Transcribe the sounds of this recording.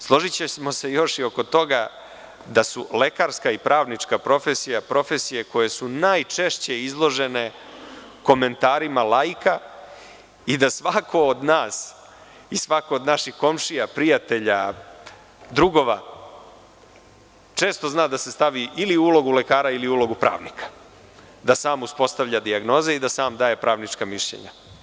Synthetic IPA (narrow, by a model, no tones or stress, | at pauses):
slˠo̞ʒit͡ɕesmo̞se̞jo̞ʂio̞ko̞t̪o̞ɡa | d̪asule̞kaɾskaipɾaːʋnit͡ʂkapɾo̞fesijapɾo̞fe̞sije̞ko̞je̞sunaːjt͡ʂe̞ʃt͡ɕe̞izlˠo̞ʒe̞ne̞ | ko̞me̞nt̪aːɾimalajka | id̪asʋakʰo̞ːd̪naːs | isʋako̞ːd̪naʃixko̞mʂijapɾijat̪e̞ʎa | d̪ɾuɡo̞ʋa | t͡ʂe̞ːst̪o̞znaːd̪ase̞st̪aʋiʔiliulo̞ɡule̞kaːɾailiuːlo̞ɡupɾa̰ːʋnikʰḁ | d̪asaːmuspo̞st̪aʋʎad̪iaɡno̞ːzeid̪asaːmd̪aːje̞pɾaːʋnit͡ʂkamiʃʎḛɲa̰